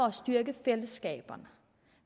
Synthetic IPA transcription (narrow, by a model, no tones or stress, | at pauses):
ɒɒsd̥yɐɡ̥əfeləsɡ̥ɛ̰ːb̥ɐnə